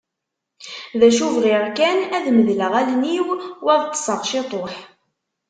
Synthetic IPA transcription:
ðæʃuvʁɪʁkænæðməðləʁælniwwæðt̪ˤːə̥sˤəʁʃɪt̪ˤoħ

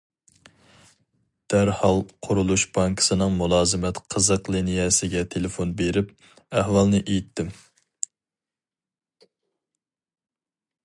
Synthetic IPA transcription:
d̪̥æɾhɑlˠqʰʊɾulˠuʃbɑŋkʰə̥sɨnɨŋmulˠɑːzɨmɛt̪qʰəzəqlˠinijɛsɪɡʲɛt̪ʰelɪfonbeɾɪp̚ | æhwɑlˠnɪʔejit̪ʰːɪm

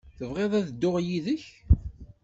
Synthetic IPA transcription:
θəvʁeðˤæðəd̪ːʊʁjiðəç

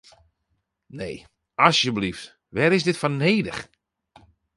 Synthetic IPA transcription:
nḛː | asjəblift | ʋɛɾɪs̬dɪtfɔneːdəχ

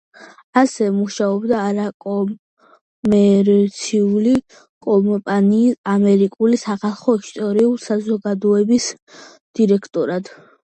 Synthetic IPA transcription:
asɛmuʃaɔbd̪aːɾakʼɔ | mɛɾt̪sʰiuli | kʼɔmpʼaniːamɛɾikʼulisaχalˠχɔist̪ʼɔɾiulsazɔɡad̪ɔɛbis | d̪̥iɾɛkʰt̪ʼɔɾad̪̥

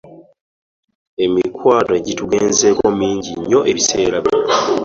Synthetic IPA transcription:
e̞mikwaːtoɟituɡeːnze̞ːkomiːɲɟiɲːo̞ʔe̞βise̞ːɾaβjo

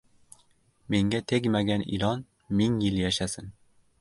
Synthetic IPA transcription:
meŋɡʲɛt̪ʰeɡʲmæɡʲænḭlɑn | miŋjiljɛʃæsɪn

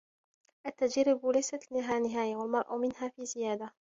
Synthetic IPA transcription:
ʔat̪ːad͡ʒaɾːɪblajsat̪nɪɦaːnɪɦaːjawalmɑɾˤʔa̰mɪnɦaːfiːzɪjaːd̪a

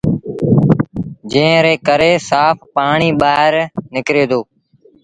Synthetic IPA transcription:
d͡ʒẽːɾeːkəɾeːsaːpʰpaːɳiːɓaːɦɾnɪkɾeːd̪ʱoː

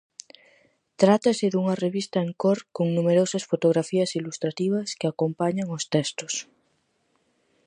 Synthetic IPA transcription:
t̪ɾat̪aseðuŋareβist̪aeŋkoɾkoŋnumeɾosasfot̪oɣɾafiasilust̪ɾat̪iβ̞askeakompaɲaŋost̪ɛst̪os

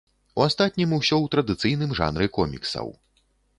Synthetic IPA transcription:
uast̪at̪̚ʲnʲimuwsʲɔwt̪ɾɐd̪ɨt̪sɨjnɨmʐa̰nɾɨkɔmʲḭksɐ̰w

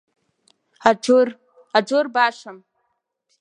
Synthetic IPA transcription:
aor | ad͡ʒorbaːʂʷam

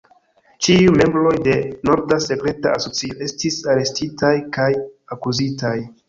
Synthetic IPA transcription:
t͡ʃiume̞mbɾo̞jde̞no̞ɾdase̞kɾe̞ta̰aso̞t͡sio̞ʔe̞stisaɾe̞stitajkajakuzitaj

